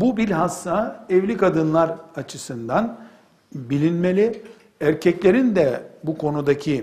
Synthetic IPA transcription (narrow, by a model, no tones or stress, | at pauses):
bubiɾʲɦasːaːɛvlʲikad̪ɯnlˠaɾat͡ʃʰɯsɯnd̪an | bilʲinme̞lʲi | æɾcʰɛclʲe̞ɾind̪ɛbukʰo̞nud̪acʰi